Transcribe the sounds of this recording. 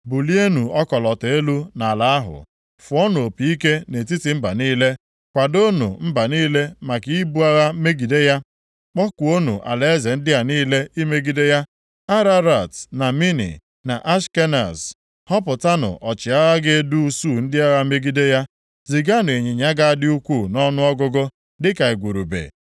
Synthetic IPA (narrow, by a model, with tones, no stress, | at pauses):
bu˨li˦e˦nu˨ɔ˦kɔ˨lɔ˨te˦lu˦na˨la˨a˦ɦʊ̰˨ | fʊ˨ɔ˦n˨o˨pi˨i˦ke˦ne˨t̬i˦ti˨m̩˦ba̰˨niː˦le˦ | kʷa˨do˦nṵ˨m̩˦ba˨niː˦le˦ma˨ki˦i˦bu˦a˦ɣa˦me˦ɡi˨de˦ja˦ | k͡pɔ˦kʷu˨o˦nṵ˨ʔa̰˨le˨e˦ze˨n̩˦dɪ˦a˨niː˦le˦i˦me˦ɡi˨de˦ja˦ | a˦ɾa˦ɾa˨tna˨mi˦nḭ˨ | na̰˨ʔa˦ʃke˦na̰˨s | hɔ˦p̬ʊ˨ta˦nʊ̰˨ʔɔ˨t͡ʃɪ˨a˦ɣa˦ɡe˦e˦du˦u˦su˦˨n̩˦dɪ˦a˦ɣa˦me˦ɡi˦de˦ja˦ | zi˨ɡa˦n˨e˨ɲe˨ɲa˦ɡa˦a˦dɪ˦u˦kʷu˦˨nɔ˦nʊ˦ɔ˦ɡʊ˦ɡʊ˦ | dɪ˦ka˨e˨ɡʷu˨ɾṵ˨bḛ˨